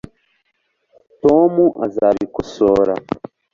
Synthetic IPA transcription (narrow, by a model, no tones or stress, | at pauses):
tomuʔazaβikosoɾa